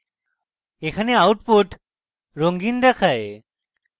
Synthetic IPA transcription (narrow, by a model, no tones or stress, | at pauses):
ekʰaneawʈpuʈ | ɾoŋɡind̪ɛkʰae